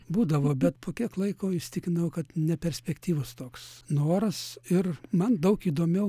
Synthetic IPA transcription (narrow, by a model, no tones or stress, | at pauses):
buːd̪ɐʋoːbʲɛt̪pʰoːkʲiɛklˠɐɪkoːɪʃsʲt̪ʲɪkʲɪnɐʊkɐt̪nʲɛpʲɛɾʲsʲpʲɛkt̪ʲiːʋʊst̪oːksnoːɾɐsɪrmɐnd̪ɐʊkiːd̪oːmʲɛʊ